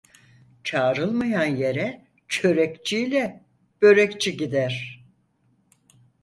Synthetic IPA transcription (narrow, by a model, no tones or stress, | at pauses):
t͡ʃʰaːɾɯlˠmajanje̞ɾɛ | t͡ʃʰø̞ɾɛkt͡ʃʰijlʲɛ | b̥ø̞ɾɛct͡ʃʰiɟid̪æɾ̥